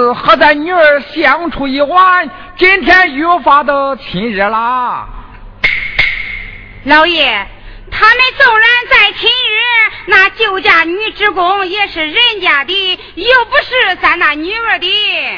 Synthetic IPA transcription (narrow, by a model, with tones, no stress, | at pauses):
xa˧˥t͡sa˥˩ɪny˧˥ə˞˨˧˩ɕjɑ˧˥ŋʈ͡ʂʰu˨˩i˧˩wa˥˧n | t͡ɕi˥nt̪ʰjɛ˥njɔ˧˥fa˥d̪ə˧t͡ɕʰi˧˥nɻə˧˥la˧ | lɑ˧˥ʊjɛ˨˩ | t̪ʰa˥mə˧˨nt͡sʊ˥˩ŋɻa˧˥nt͡sa˥˩ɪt͡ɕʰi˧˥nɻə˧˥na˥˧t͡ɕjo˥˩ʊt͡ɕja˥˩ny˧˥ʈ͡ʂɻ̩˥kʊ˥ŋjɛ˥˧ʂɻ̩˨˩ɻə˥˩nt͡ɕja˨˩t̪i˥˩ | jo˥˩ʊpu˧˥ʂɻ̩˥˧˩t͡sa˥˩ɪna˥˩ny˧˥ə˞˨˩t̪i˧˥˩